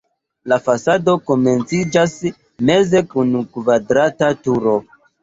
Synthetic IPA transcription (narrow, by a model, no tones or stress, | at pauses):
lafasado̞ko̞me̞nt͡sid͡ʒas | me̞ze̞kunkvadɾatatuɾo̞